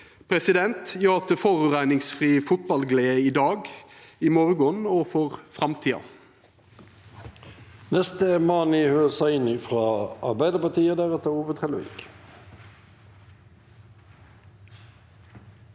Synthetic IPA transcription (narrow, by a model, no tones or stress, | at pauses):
pʰʁɛsɪd̪ɛnt̪jøːʁɑt̪̚d̪əfoːʁʉːʁæɪnɪŋsfʁiːfʊt̪̚bɑlɡleːəiːd̪ɑːɡimɔʁɡɔnoːfɔʁfʁɑmt̪ʰiːɑ̰ | nɛst̪əmɑːnihøːʁəsæɪnɪfʁɑːɑʁbæɪd̪əpɑt̪iːəd̪æʁɛt̪əuːʋət̪ʰʁɛlʋḛːk